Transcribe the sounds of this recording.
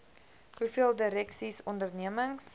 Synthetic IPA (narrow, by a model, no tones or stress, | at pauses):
ɦufiəlˠdəɾɛksisɔndərniəməŋs